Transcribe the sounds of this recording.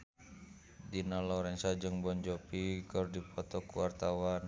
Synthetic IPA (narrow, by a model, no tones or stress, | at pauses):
dinalɔɾɛnsad͡ʒɨŋbɔɲd͡ʒɔpikərdipɔt̪ɔkuwart̪awan